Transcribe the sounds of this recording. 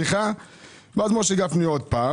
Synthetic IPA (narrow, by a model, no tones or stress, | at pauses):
iχa | vazmoʃeɡafniod̪̚paː